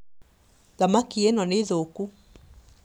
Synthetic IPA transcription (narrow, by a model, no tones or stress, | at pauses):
ðamakienɔneðoku